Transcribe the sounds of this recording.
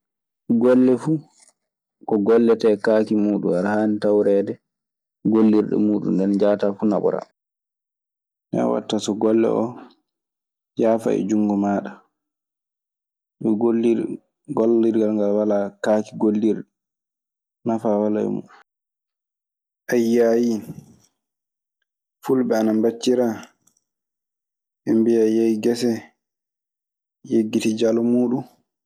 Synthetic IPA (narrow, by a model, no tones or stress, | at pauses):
ɡɔlːɛfu | kɔɡɔlːɛtɛkaːkimuːɗṵaɾhaːnitawɾɛːdɛ | ɡolːiɾɗɛ̰muːɗṵndɛnd͡ʒaːtaːfuna̰ɓɔ̰ɾa̰ | nɛ̰wa̰tːasɔɡɔlːɛ̰ʔɔ | jaːfa̰ɛ̰d͡ʒuŋɡɔmaːɗa | ɗɔɡolːi | ɡɔlːiɾɡalŋɡalwalakaːkiɡolːiɾ | nafawalaɛ̰mṵɗ | ʔajːaji | fulɓɛanambat͡ʃːiɾa | ʔɛmbijajajiɡɛsɛ | jeɡːitid͡ʒalɔmuːɗun